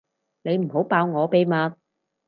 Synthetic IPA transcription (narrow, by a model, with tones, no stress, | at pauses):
ne˨˧jm̩˨˩ho˨˥wpaː˧wŋɔː˨˧pe˧jmaː˧n